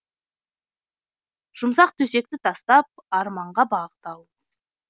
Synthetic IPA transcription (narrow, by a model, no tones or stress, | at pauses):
ʒ̥ʊmsɑq̚t̪ʰɵse̞k̚t̪ɪt̪ʰɑst̪ɑp̚ɑɾmɑɴʁɑbɑʁə̥t̪ɑlˠəməz̥